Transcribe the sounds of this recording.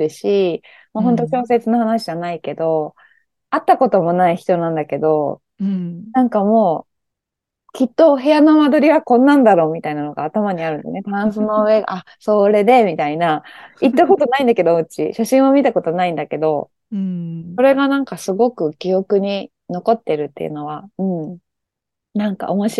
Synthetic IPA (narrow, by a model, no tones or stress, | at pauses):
ɯɕi | moɦõ̞nt̪o̞ɕo̞ːs̬e̞t͡sɨnohanaɕid͡ʑanaike̞d̪o̞ | at̪ːako̞t̪o̞mo̞naiçi̥t̪o̞nãnd̪ake̞d̪o̞ | nãŋkamo̞ː | kʲit̪ːo̞ɦe̞jano̞mad̪o̞ɾʲiβakõ̞nːãnd̪aɾo̞ːmʲit̪ainano̞ɡa̰ːt̪amaɲ̟iaɾɯ̟nd̪net̪oɾãɰ̃sɨnoɯe̞ɡa̰ʔaso̞ːɾe̞d̪e̞mʲit̪ainait̪ːako̞t̪o̞naĩnd̪ake̞d̪oo̟t͡ɕḭɕaɕĩɰ̃omʲit̪ako̞t̪o̞naĩnd̪ake̞d̪o̞ | so̞ɾe̞ɡanãŋkasɨɡo̞kɯ̟kʲio̞kɯ̟ɲ̟i | no̞ko̞t̪ːe̞ɾɯ̟t̪ːe̞̰ɯ̟̰no̞βaɯ̟̃ɴ | nãŋka̰ʔomoɕi